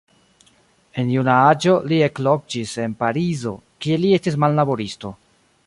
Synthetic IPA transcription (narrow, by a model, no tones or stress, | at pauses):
e̞njunaad͡ʒo̞lie̞klo̞k̚d͡ʒise̞npaɾizo̞̰kie̞lie̞stis̬malːabo̞ɾisto̞